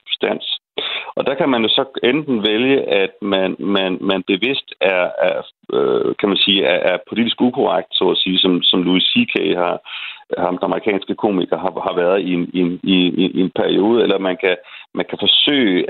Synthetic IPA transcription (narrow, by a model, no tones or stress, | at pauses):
sd̥æn̰s | ɒ̽d̥ɑ̈kʰæmænjo̝sɒ̽end̥n̩ʋeljəʔæd̥mænmænmænb̥e̝ʋe̝sd̥æɐæ | økʰæmænsiːæʔæɐpʰo̝lid̥isɡ̥ukʰo̝ʁɑ̈ɡ̥̚d̥sɒ̰ːæsiːsɒ̽msɒ̽mluisikʰehɑ̈hɑmd̥nɑməʁikʰɛ̰ːnsɡ̥əkʰo̝̰ːmiɡ̥ɐɦɑ̈hɑ̈ʋæɐð̩ˠinenieenpʰæɐio̝ːð̞ˠəelɐmænkʰæmænkʰæfɒ̽sø̰ːɪ